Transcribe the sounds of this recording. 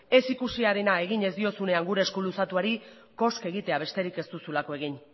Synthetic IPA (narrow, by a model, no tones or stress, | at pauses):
e̞sikusiaɾenae̞ɣ̞iɲe̞zd̪io̞sune̞aŋɡuɾe̞ːskulusat̪uaɾi | ko̞ske̞ɣit̪e̞aβ̞e̞st̪e̞ɾike̞st̪usulako̞e̞ɣ̞in